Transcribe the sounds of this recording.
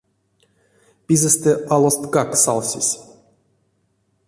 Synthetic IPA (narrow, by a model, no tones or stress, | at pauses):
pʲizɛst̪ɛʔalˠost̪kaksa̰lˠsʲisʲ